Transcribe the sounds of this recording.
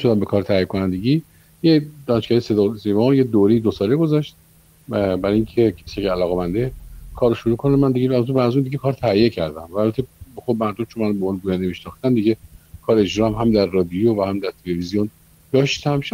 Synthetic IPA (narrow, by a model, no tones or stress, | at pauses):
ʃod̪æmbe̞kʰɒːɾet̪ʰæhijekʰonænd̪e̞ɟi | jed̪ɒːneʃkæɾisesevɒjed̪oɾejid̪osɒːleɡo̞zɒʃt̪̚ | bæɾɒjiŋcʰe̞cʰe̥siecʰʲælɒːɣemænd̪ekʰɒːɾoʃuɾuːkʰonæmænd̪iɟeæzebædæzund̪iɡekʰɒːɾt̪ʰæijecʰæɾd̪æmæːlbæt̪ʰexobmæɾd̪omt͡ʃʰonmænbomɒːneɡuːjænd̪emiʃnɒxt̪æmd̪iɟekʰɒːɾed͡ʒɾɒæmɦæmd̪æɾːɒːd̪ijovæhæmd̪æɾt̪ʰe̞le̞vizijon | d̪̥ɒːʃt̪ʰæmʃ